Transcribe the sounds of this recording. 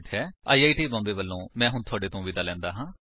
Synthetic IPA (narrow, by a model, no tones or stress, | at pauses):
ʈɦɛːa̰ːiːaːiːʈiːbɔ̃ːmbeːʋəlːõːmɛ̃ːɦʊnt̪ʰʊaːɖeːt̪õːʋid̪aːlɛ̃ːnd̪aːɦãː